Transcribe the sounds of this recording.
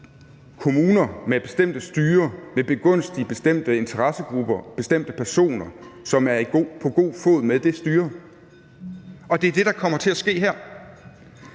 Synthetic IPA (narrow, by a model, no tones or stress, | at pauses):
kʰo̝muːnɐmeb̥e̝sd̥em̰d̥əsd̥yːɐmeb̥e̝ɡ̥ɔ̽n̰sd̥ib̥e̝sd̥em̰d̥əe̝nt͡sʰɐʁɑsəɡ̥ʁub̥ɐb̥e̝sd̥em̰d̥əpʰæɐso̝̰ːnɐ | sɒ̽mæɐipʰɒ̽ɡ̥o̝̰ːfɔ̰ð̩ˠmeðˠd̥e̝sd̥yːɐ | ɒ̽d̥e̝æɐd̥e̝ɾ̥ɑ̈kʰɒ̽m̰ɐt͡sʰe̝æsɡ̥e̝̰ːɦɛɐ̰